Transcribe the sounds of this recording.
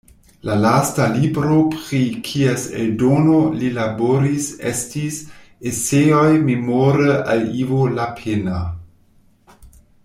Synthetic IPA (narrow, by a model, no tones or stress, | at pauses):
lalastalibɾopɾikʰiesḛldonolilaboɾisḛstis | eseojmemoɾəʔalivolapʰena